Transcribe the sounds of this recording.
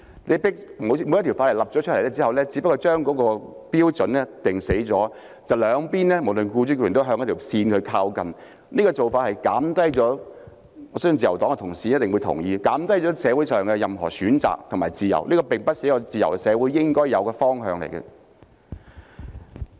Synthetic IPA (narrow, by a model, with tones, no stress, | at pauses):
ne˨˧jpɪ˥k̚mo˨˧wmo˨˧jɐ˥t̪ʰi˨˩faː˧˥llɐ˨p̚ɔː˨˥t͡ʃʰljlɛ˥t͡si˥ɐ˨wlɛː˥t͡siː˨˧˥pɐ˥kːɔ˧t͡ʃœː˥ŋkɔː˨˥kɔː˧piː˥wt͡sɵ˨˥nɛ˥t̪ɪ˨ŋse˨˥jt͡sɔː˨˥ | t͡sɐ˨wlœː˨˧ŋpiː˥nlɛː˥mo˨˩wlɵ˨nkuː˧t͡syː˥kːnt̪o˥ɦœː˧ŋjɐ˥t̪ʰwsiː˧nkʰɵ˨˧kʰaː˧wkɐ˨n | niː˥kɔː˧t͡so˨wfaː˧t̚hɐ˨jkaː˨˥mt̪ɐ˥jt͡sɔː˨˥ | ɔ˨˧ssŋt͡siː˨jɐ˨˩wt̪ɔː˨˥ŋɛ˧t̪ʰʊ˨˩ŋsiː˨˥jɐ˥t̚t̪ɪ˨ŋwu˨˧jt̪ʰʊ̰˨˩ŋjiː˧kaː˨˥mt̪ɐ˥jt͡ʃɔː˨˥sɛː˨˧wuː˨˥jsœː˨ŋkɛ˧jɐ˨mɦɔ̰ː˨˩syː˨˥nt͡sa̰ː˨k̚t̪ʰʊ˨˩maː˨jt͡siː˨˩jɐ̰˨˩wniː˥kɔː˧pɪ˨ŋpɐ˥t̚siː˨˧˥kɔ˧t͡siː˨jɐ̰˨˩wkɛ˧sɛː˨˧wuː˨˥jːɪ˥ŋkɔː˥jjɐ˨˧wkɛː˧fɔː˥ŋɦœː˨˧ŋlḛ˨˩jkɐ̰˧